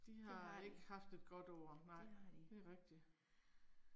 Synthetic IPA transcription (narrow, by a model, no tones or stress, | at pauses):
d̥iɦɑ̈e̝ɡ̥əhɑ̈fd̥e̝d̥ɡ̥ɒ̽d̥ɒʊ̰ɐnɑ̈ɪ̰d̥e̝æʁɛɡ̥̚d̥i